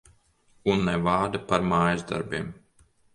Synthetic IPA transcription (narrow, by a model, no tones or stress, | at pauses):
unːɛvaːd̪ɨpaɾmaːjzd̪a̰ɾbʲim